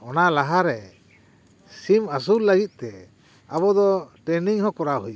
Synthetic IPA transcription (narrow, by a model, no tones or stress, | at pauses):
ɔnalaɦaɾɛ | simas̬ulːəɡit̪̚ˀt̪ɛ | aβɔd̪ɔʈɛniŋhɔkɔɾaɦuj